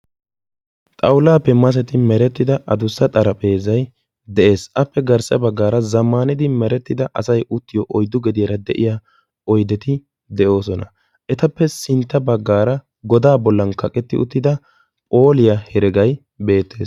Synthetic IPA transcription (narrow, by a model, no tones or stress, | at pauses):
t̪ʼɐwʊlaːpːɛmɐs̬ɛt̪ɪmɛɾɛt̪ːɪd̪ɐʔɐd̪ʊsːɐt̪ʼɐɾɐpʼe̞ːzɐj | d̪ɛʔe̞ːsʔɐpːɛɡɐɾsɐbɐɡːaːɾɐzɐmːaːnɪd̪ɪmɛɾɛt̪ːɪd̪ɐʔɐsɐjʊt̪ːɪjɔʔɔjd̪ːʊɡɛd̪ɪjɐɾɐd̪ɛʔɪja | ɔjd̪ɛt̪ɪ | d̪ɛʔo̞ːsɔnɐ | ʔɛt̪ɐpːɛsɪnt̪ːɐbɐɡːaːɾɐ | ɡɔd̪aːbɔlːɐnkɐkʼɛt̪ːɪ̰ʊ̰t̪ːɪd̪ɐ | pʼo̞ːlɪjɐhɛɾɛɡɐj | be̞ːt̪ːe̞ːs